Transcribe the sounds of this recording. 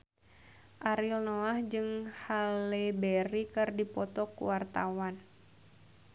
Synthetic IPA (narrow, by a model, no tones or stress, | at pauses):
ʔaɾilnoahd͡ʒɨŋhalɛbɛɾikɨrdipɔt̪ɔkṵwart̪awan